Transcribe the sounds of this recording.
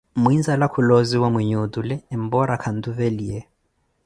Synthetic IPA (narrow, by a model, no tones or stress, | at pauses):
mwinzalakʰuloziwamuɲudulɛːm̩bɔɾakʰan̩d̪uveliɛ